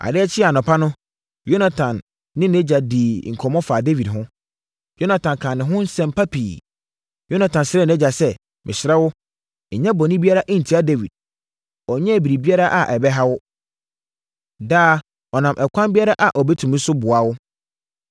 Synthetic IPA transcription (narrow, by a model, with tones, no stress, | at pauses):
ʔa̰˨dɪ˦ɛ˦t͡ɕʰɪ˦a˨nʊ̃˨pʰa˦nʊ̃˦ | jo˦na˦tʰã˨nː | ɪ̃˦nɛ˦d͡ʑa˨diː˨ŋ̩˨kʰɔ˨mɔ̃˦faː˨de˦wi˨dɦʊ̃˦ | jo˦nã˨tʰã˨nkʰã˨nɪ̃˨ɦʊ̃˦n̩˦sɛ̃˦mpʰa˦pʰiː˨ | jo˦nã˨tʰã˨nsɪ˦ɾɛ˦˨n˨ɛ̃˦d͡ʑa˨sɛ˦ | mʔɪ̰̃˨ɕɪ˨ɾɛ˦wʊ˦˨ | ɲɛ̃˦bɔ˨nɪ̃˦bi˦a˦ɾa˦ʔĩ˦n̩˨tʰi˦a˦de˦wḭ˨d̚ | ɔ˨ɲɛ̃˦˨bi˨ɾi˨bi˦a˦ɾa˦ʔa˨ʔɛ˨bɛ˦ɦa˦wʊ˦ | daː˦ | ɔ˨nã˨mʔɛ˨kʷʰã˦mbi˦a˦ɾa˦ʔa˨ʔɔ˨bɛ˦tʰũ˨m̩˦sʊ˦bʊ˨a˨wʊ˦